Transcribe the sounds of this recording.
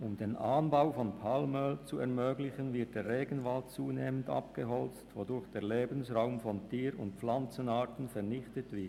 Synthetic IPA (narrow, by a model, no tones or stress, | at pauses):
ʔʊmdeːnʔaːnbaʊfɔnpʰalmœlt͡suɛɐmøːɡlɪçənvɪɐt̚d̥eːʁeːɡn̩valt͡suːneːmənta̰p̚ɡ̥əɦɔlt͡stvodʊɾçd̥eːɐleːbən̩sʁaʊmfɔntʰiːɾʊ̰ntp͡flant͡sənaːtn̩fɛɐnɪçtətv̥ɪɐt